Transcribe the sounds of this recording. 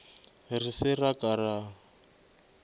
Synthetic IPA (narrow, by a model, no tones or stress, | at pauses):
risɪrakʼara